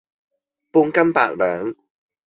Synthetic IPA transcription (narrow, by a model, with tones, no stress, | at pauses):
puː˧ŋkɐ˥mpa̰ː˧k̚lœː˨˦ŋ